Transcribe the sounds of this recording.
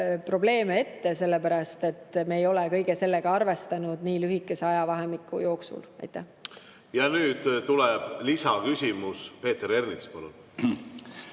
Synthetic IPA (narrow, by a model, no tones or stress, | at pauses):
pro̞ble̞ːmee̞t̪ːese̞lːe̞pæɾɑst̪e̞t̪ːme̞ːjo̞lɛkɤ̞jɡ̥e̞se̞lːe̞ɡ̥ɑɑrve̞st̪ɑnud̪̥niːlyɦikːˑe̞seɑjɑvɑɦe̞mikːˑṵjo̞ːksṵlɑ̰jt̪ːˑæh | jɑnyːd̪̥t̪ːulɛb̥lisɑkysʲimuspe̞ːt̪eɾe̞rnispɑlṵn